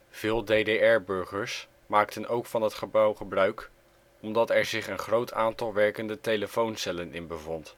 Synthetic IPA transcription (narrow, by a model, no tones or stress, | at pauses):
v̥ɪːlˠdedeɛɹbɵɹχəɹs | maːktənʔowkfɑnɦətχəbʌwχəbrœɥk | ɔmdɑtɛɹzɪχənχrowtʰaːntɑlˠʋɛɹkəndətejləfownsɛlənɪnbəvɔnt